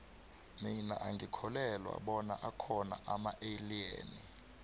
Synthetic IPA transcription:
minaʔaŋɡʱikʰɔlɛlwa̰ɓɔna̰ʔakʰɔna̰ʔamaʔeliḛːni

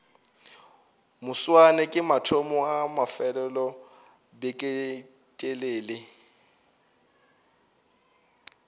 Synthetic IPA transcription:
mʊswanɛkʼɪmatʰɔmɔamafɛlɛlɔ | bekʼe | tʼeleːlɪ

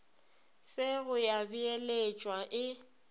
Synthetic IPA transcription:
sɪɣʊjabielet͡ʃʼwaʔɪ

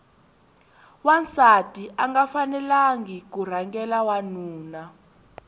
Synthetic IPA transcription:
want͡satʼiʔaŋɡafanɛlaŋɡik̬ur̤aŋɡɛlawanuːna

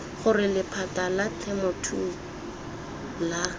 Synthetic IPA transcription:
χʊrɪlɪpʰatalat͡ɬʰɛmɔtʰu | la

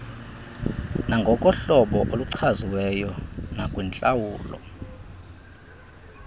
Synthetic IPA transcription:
naŋɡʱɔkʼɔɬɔɓɔʔoluǀʰaziwɛjɔnakʼwint͡ɬʼawuːlɔ̰

